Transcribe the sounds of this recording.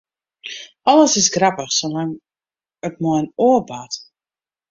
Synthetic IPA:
ɔləsɪsɡrapəxsolaŋ | ətmɔjnoəbat

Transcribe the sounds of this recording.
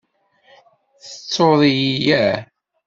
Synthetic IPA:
θət͡sːoðˤijijæ

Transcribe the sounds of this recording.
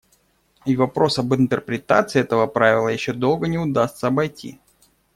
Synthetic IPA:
ivɐpɾo̞sɐbɨnt̪ərpɾʲɪt̪a̰t̪sɨːɛt̪əvəpɾavʲɪlˠəjɪɕːo̞d̪o̞lˠɡənʲɪʊd̪ast̪səɐbɐjtʲḭ

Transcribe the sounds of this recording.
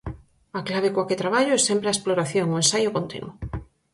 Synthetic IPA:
aklaβ̞ekwaket̪ɾaβaʎʊɛsɛmpɾeaesploɾaθjoŋoensajʊkont̪ḭnwʊ

